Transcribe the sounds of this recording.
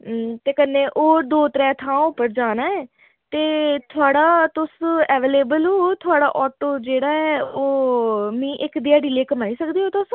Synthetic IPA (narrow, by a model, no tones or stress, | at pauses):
t̪eːkənːẽːʔoːd̪oːt̪əɾɛːt̪ʰãːʊpːəɾd͡ʒaːnaːɛː | t̪eːt̪ʰʊaːɽaːt̪ʊsɛːʋeːleːbəloːt̪ʰʊaːɽa̰ːʔɔːʈoːd͡ʒeːɽaːɛːoːmĩːʔɪkd̪ɪaːɖiːleːkəmaːiːsəkd̪iːɦoːt̪ʊs